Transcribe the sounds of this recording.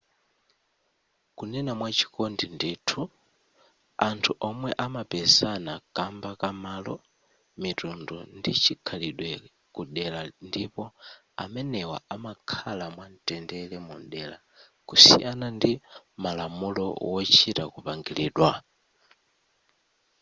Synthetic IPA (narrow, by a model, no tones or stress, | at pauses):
kunɛnamwat͡ʃʰi̥kɔndindiːtʰu | antʰuʔɔmwɛʔamapɛzanakambakamalɔ | mitundɔ̰ndit͡ʃʰikʰaliɗwɛ | kuɗɛlandipɔ | a̰mɛnɛwa̰amakʰalamwan̩tɛndɛlɛmṵnɗɛla | kusḭjanandimalamulɔ̰wɔt͡ʃʰita̰kupaŋɡiliːɗwa